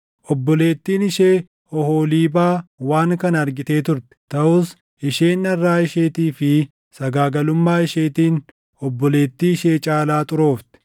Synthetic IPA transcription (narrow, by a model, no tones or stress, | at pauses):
ʔɔbːɔle̞ːt̪ːiːnɪʃeː | ɔhoːliːbaːwaːŋkɐnɐɐɾɡɪt̪e̞ːt̪ʊɾt̪ɪ̥t̪ɐʔʊs | ɪʃeːnːɐrːaːɪʃeːt̪iːfɪ | sɐɡaːɡɐlʊmːaːɪʃeːt̪iːn | ɔbːɔle̞ːt̪ːiːɪʃe̞ːt͡ʃʼaːlaːt̪ʼʊɾo̞ːft̪ɛ̥